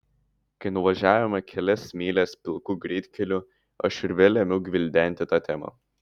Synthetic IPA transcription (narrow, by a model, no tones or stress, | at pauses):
kɐɪnʊʋɐʒʲæːʋʲɛmɐkʲʰɛlʲɛsmʲiːlʲɛspʲɪlˠkuːɡɾʲɛɪt̪ʲkʲɛlʲʊ | ɐʃɪɾʲʋʲɛːlʲɛmʲʊɡʲʋʲɪlʲd̪ʲɛˑnʲt̪ʲɪt̪ɑːt̪ʲɛmɐ̰